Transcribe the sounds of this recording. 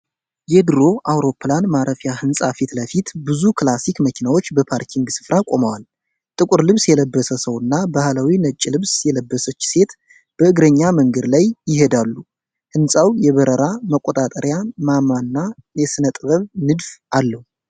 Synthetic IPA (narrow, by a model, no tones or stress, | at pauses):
jed̪ɨɾo̞ʔawɾo̞pʰlanmaɾʔəfjahɨnsʼafit̪ləfit̪bɨzukʰlasikməkʰinawo̞t͡ʃːbəpʰaɾkʰiŋɡsɨ̥fɾakʼo̞məwal | t̪ʼɨkʼʊɾlɨβsjɛləbːəsəsəwɨnːabahlawinət͡ʃʼːilɨβsjɛləbːəsət͡ʃːse̞t̪ | b̥əɨɡɾəɲːaməŋɡəd̪lajjɪhe̞d̪alːu | hɨnsʼawjɛβəɾəɾaməkʼːot̪ʼat̪ʼəɾjamamanːajɛsɨnət̪ʼɨβəβnɨd̪fʔalːəhu